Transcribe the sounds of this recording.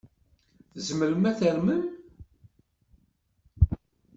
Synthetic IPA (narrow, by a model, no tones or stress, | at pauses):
θzməɾəmæθəɾmən